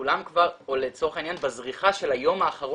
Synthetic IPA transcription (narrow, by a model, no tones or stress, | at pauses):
ulamkvaʁolet͡so̞ʁχainjanbazʁiχaʃe̞lajo̞maːχaʁo